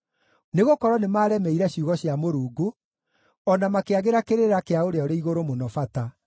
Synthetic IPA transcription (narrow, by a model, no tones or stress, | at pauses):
neɣokɔɾwɔnemaːɾɛmɛiɾɛɕuɣɔɕjamoɾuːɡu | ɔnamakeaɣeɾakeɾeɾakeaoɾeaɔɾeiɣoɾomonɔfata